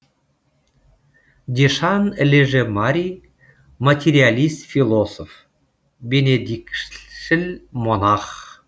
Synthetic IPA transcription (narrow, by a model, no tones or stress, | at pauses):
d̪ʲeʃɑnəlʲeʒemɑɾʲi | mat̪ʲeɾʲialʲist̪fʲilˠosof | bʲenʲed̪ʲikʃɘ̆lʲmonɑχ